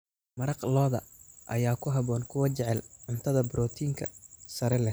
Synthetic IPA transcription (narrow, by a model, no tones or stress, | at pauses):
mɐɾɑqlɔːðɐ̰ʔɐ̰jaːkʰʊɦɐβɔːnkʰʊwɐt͡ʃɛʕɛlʕʊnt̪ʰɐðɐbɾɔːt̪ʰiːŋkʰɐ̰sɐɾɛlɛ